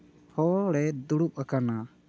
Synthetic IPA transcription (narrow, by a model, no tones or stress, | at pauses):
hɔɽɛd̪uɽup̚akana